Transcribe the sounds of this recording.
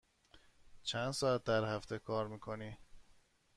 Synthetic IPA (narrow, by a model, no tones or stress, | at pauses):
t͡ʃʰænd̪sɒːæt̪̚d̪æɾhæft̪ʰekʰɒːɾmiːkʰo̞ni